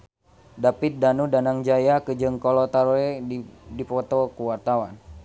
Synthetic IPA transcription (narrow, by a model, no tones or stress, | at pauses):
dapit̪̚danudanaŋd͡ʒajakəd͡ʒəŋkɔlɔt̪aɾɔɛdipɔt̪ɔkuwart̪awan